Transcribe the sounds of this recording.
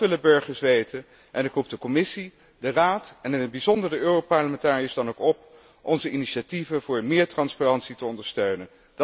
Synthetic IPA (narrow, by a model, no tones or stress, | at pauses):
ʋɪləbɵɹχəɹsʋejtən | ʔɛnɪkrup̚dəkɔmɪsi | dəraːtɛnəbizɔndəɹəøːropɑɹləmɛntaːriɪzdɑnowkɔp | ʔɔnzəʔiniʃativəvʊːɹmɪːɹtrɑnsparɑntsitəɔndəɹstøɥnən | d